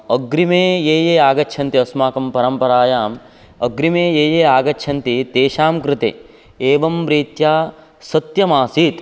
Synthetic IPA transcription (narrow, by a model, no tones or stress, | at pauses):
ɐɡɾimeːjeːjeːaːɡɐtt͡ʃʰɐnt̪iɐsmaːkɐmpɐɾɐmpɐɾaːjaːm | ɐɡɾimeːjeːjeːaːɡɐt͡ʃt͡ʃʰɐnt̪it̪eːʃaːmkɾɪt̪ḛ | eːʋɐmʋɾiːt̪jaː | sɐt̪jɐmaːsiːt̪